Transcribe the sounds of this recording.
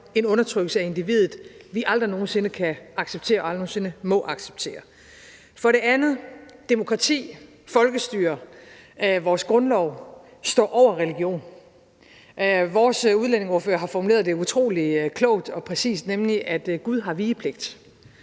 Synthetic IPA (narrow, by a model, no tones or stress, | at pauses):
e̝nɔ̽nɐt͡sʰʁœɡ̥l̩səæe̝nd̥iʋḭðˠð̩ˠʋiʔɑ̈ld̥ʁino̝ːn̩se̝nəkʰæɑ̈ɡ̥seb̥̚t͡sʰe̝̰ːɐɒɑl̥noːnse̝nəmɒ̽ʔɑ̈ɡ̥seb̥̚t͡sʰe̝̰ːɐ | fɒ̽ɾe̝ænð̩ˠd̥emo̝kʰʁɑ̈t͡sʰḭː | fɒ̽lɡ̥əsd̥yːɐ | ʋɒːsɡ̥ʁɔ̽nlɒʊ | sd̥ɒ̰ːʔɒʊ̰ɐʁɛliɡ̥jo̝̰ːn | ʋɒːsuðˠlen̰e̝ŋɔːɐføːɐɦɑ̈fɒmule̝̰ɐðˠd̥e̝ut͡sʰʁo̝̰ːlikʰlɔʊ̰d̥ɒ̽pʰʁɛsḭːsd̥nemliʔæd̥ɡ̥uðˠɦɑ̈ʋiːəpʰle̝ɡ̥̚d̥